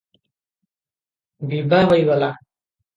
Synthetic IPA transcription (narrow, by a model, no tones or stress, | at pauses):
bibawajwala